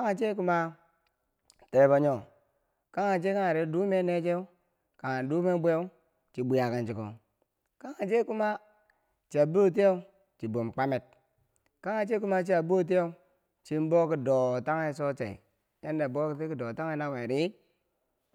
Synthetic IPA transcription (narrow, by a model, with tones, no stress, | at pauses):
ka˦ŋa˨t͡ʃe˦ku˦ma˦ | te˨ba˨ɲo˨ | ka˦ŋa˨t͡ʃe˦ka˦a˨ɾe˨˦du˦me˦ne˦t͡ʃe˦ | ka˨ŋa˨du˦me˦bʷe˦e˦ | t͡ʃi˨bu˨ja˨ka˨nt͡ʃi˨˦ko̰˨ | ka˦ŋa˨d͡ʒe˦ku˦ma˦ | t͡ʃi˨a˨bo˦˨t̬i˦jo˦ | t͡ʃi˨bo˨mk͡pa˦me˨t̚ | ka˦ŋa˨t͡ʃe˦ku˦ma˦t͡ʃi˦a˨bo˦˨˦t̬i˦o˦ | t͡ʃi˦m˦bo˦ki˦do˨ta˦ŋe˦so˦t͡ʃḛ˨ḭ˨ | je˦nde˨bo˦ki˨ti˦ki˨do˨ta˦ŋe˦na˦˨we˨ɾi˦